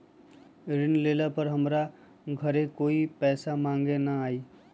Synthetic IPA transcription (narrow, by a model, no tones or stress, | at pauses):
ɾɪnleːlapɐɾɦɐmɾa | ɡʱɐɾẽkoːipɛːsamãːŋɡenɐaːiː